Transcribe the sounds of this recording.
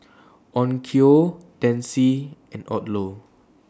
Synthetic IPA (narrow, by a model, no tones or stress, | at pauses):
ʔɔ̃nkʰiod̥ɛ̃nsiɛ̃nɔ̰tlo